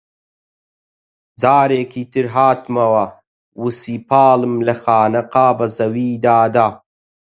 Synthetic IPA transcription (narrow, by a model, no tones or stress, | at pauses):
d͡zaːɾeːkʰit̪iɾɦaːt̪mɐwa | wusipaːlɨmlɐxaːnɐqaːbɐzɐwiːd̪aːd̪aː